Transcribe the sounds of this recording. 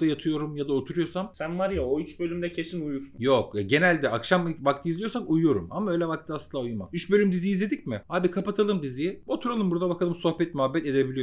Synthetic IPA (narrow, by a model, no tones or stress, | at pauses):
d̪ajat̪ʰɯjo̞ɾumjad̪ao̞t̪ʰuɾujo̞ɾsamsænvaɾjaoyt͡ʃbø̞lʲymd̪ɛcʰe̞sinujuɾsunjo̞kɛɟe̞nælʲd̪ɛʔakʃamvak̚t̪ʰɯizʲijo̞ɾsakujujo̞ɾumamaøjlʲɛvak̚t̪ʰɯasɯlˠaujuma̰yt͡ʃbø̞lʲymd̪izijːizlʲe̞d̪icmɪhaːbikʰapat̪ʰalˠɯmd̪izijo̞t̪ʰuɾalˠɯmbuɾd̪abakʰalˠɯmso̞hbɛt̪̚myɦabːɛt̪e̞d̪e̞bilʲijo